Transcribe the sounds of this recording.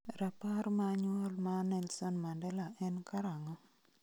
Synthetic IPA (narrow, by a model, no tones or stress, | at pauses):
ɾapaɾmaɲɔlmanɛlsɔnmandɛlaɛnkaɾaŋɔ